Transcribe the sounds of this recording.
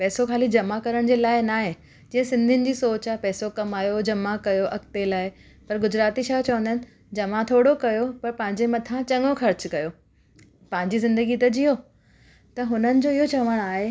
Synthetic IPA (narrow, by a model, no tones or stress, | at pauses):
pɛːsokʰaːlid͡ʑɐmakɐɾəɽ̃d͡ʑeːlaːɪnaːɦẽ | d͡ʑĩːɦə̃sɪ̃nd̪ʱɪənɪ̆d͡ʑiːsoːt͡ɕapɛːsokɐmaːjod͡ʑɐmakɐjoʔɐkt̪elaːɪ | pɐɾɡʊd͡ʑɾaːt̪iʃaːt͡ɕɐʋə̃nd̪ənɪ̆ | d͡ʑɐmat̪ʰoːɽokɐjopɐɾpɐ̃ɦɪ̃ɲd͡ʑemɐt̪ʰãt͡ɕɐ̃ŋɡoxɐɾt͡ɕkɐjo | pɐ̃ɦɪ̃ɲd͡ʑizɪ̃nd̪əɡit̪ɐd͡ʑijo | t̪ɐɦʊnənɪ̆d͡ʑoːiɦot͡ɕɐʋəɽ̃aːɦe